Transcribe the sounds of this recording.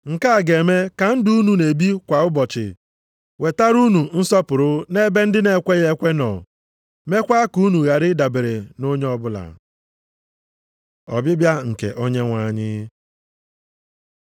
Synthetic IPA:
ŋ̩˨ka˦a˨ɡe˨me˦ka˨n̩˦du˦u˦nu˨ne˨bi˦kʷa˨ʊ˦bɔ˨t͡ʃɪ̰˨ | we˨ta˦ɾu˦nu˨n̩˦sɔ˦pʊ˨ɾʊ˦ne˦be˦n̩˦dɪ˦ne˦kʷe˦ɣe˦kʷe˦nɔ̰˨ | me˦kʷa˦ku˦nu˨ɣa˨ɾɪ˦da˨bɪ˨ɾe˨no˦ɲ˦ɔ˦bʊ˦la̰˨ | ɔ̰˨bɪ˦bja˦ŋ̩˨kḛ˨ʔo˦ɲe˦ŋʷa˨ɲɪ˦

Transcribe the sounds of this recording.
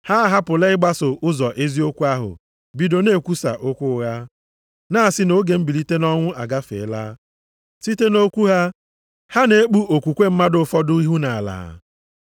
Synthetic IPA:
ha˦˨ɦa˦pʊ˨le˦ɪ˦ɡ͡ba˦sʊ˨ʔʊ˦zɔ˨ʔe˦zi˦o˦kʷu˦a˦ɦʊ̰˨ | bi˨do˨ne˦˨kʷu˦sa̰˨ʔʊ˦kʷʊ˦ɣa˦ | naː˦˨sɪ˦no˦ɡe˨m̩˦bi˨li˦te˦nɔ˦ŋʷʊ˦ʔa˨ɡa˦fḛ˨˦la̰˦ | si˦te˦no˦kʷu˦ɦa˦ | ha˦ne˨e˦k͡pu˦ʔo˨kʷu˨kʷe˦m̩˦ma˦dʊ˦fɔ˦dʊ˦i˦ɦu˦na˨a˨la̰ː˨

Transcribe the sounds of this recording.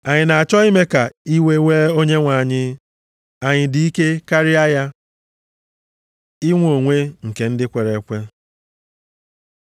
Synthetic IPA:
a˨ɲɪ˨na˨a˨t͡ʃɔ˦i˦me˦ka˨i˦we˦we˦o˦ɲe˦ŋʷa˨ɲɪ˦ | a˨ɲɪ˨di˨i˦ke˦ka˦ɾɪ˦a˦ja˦ | i˦ŋʷ˦o˨ŋʷe˦ŋ̩˨ke˨n̩˦dɪ˦kʷe˨ɾe˨˦kʷe˦

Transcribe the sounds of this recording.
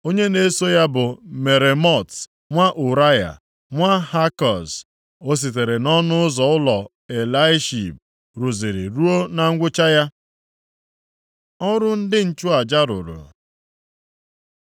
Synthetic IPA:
o˦ɲe˦ne˦so˦ja˦bʊ˨me˨ɾe˨mɔ˦˨t | ŋʷa˦ʔu˨ɾa˦ja̰˨ | ŋʷa˦ha˦kɔ˨s | o˦s̬i˨t̬e˨ɾe˨nɔ˦nʊ˦ʊ˦zɔ˨ʊ˦lɔ˨ | e˨la˦ɪ˦ʃi˨b̚ | ɾu˨zi˨ɾḭ˨ɾu˦o˦na˨ŋ̩˦ɡʷʊ˦t͡ʃa˦ja˦ | ɔ˦ɾʊ˦n̩˦dɪ˦n̩˨t͡ʃʊ˦a˨d͡ʒa˦ɾʊ̰˨ɾʊ̰˨

